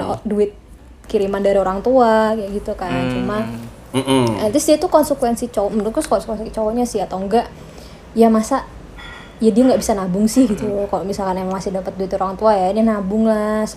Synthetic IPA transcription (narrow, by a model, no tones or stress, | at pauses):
duɪt̪̚ | kiɾimandaɾioɾaŋt̪uajaɡit̪ukant͡ʃuma | ət̪ɾʊsdiat̪ukɔnsəkwɛnsit͡ʃowmənt̪ʊtt̪uskɔnsəkwɛnsit͡ʃowaɲasɪhat̪awŋɡaʔ | jamasa | jadiaŋɡaʔbisanabʊŋsɪhɡit̪ukaloʔmisalkanemaŋmasɪdampət̪̚duɪt̪oɾaŋt̪uajaɲanabʊŋlas